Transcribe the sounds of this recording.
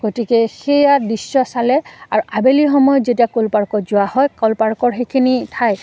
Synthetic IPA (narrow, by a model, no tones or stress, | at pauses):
ɡ̥otikɛxejadisːɔsalɛaɹuʔabelixɔmɔjɔzetiakulpaɹkɔzʊwahɔjkɔlpaɹkɔɹxejkʰinitʰaj